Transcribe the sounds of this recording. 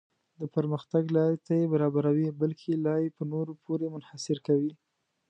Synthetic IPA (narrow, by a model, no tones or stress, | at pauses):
d̪əpəɾməxt̪aɡlɑjt̪ajebaɾɑbaɾawibalkʰelɑjepənoɾopʰoɾemʊnhasɪɾkawi